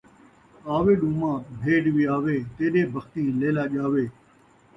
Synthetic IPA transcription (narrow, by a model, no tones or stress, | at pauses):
aːʋeːɗũːmãːbʱeːɖʋiːaːʋeːt̪eːɗeːbʱəxt̪ĩːleːlaːʄaːʋeː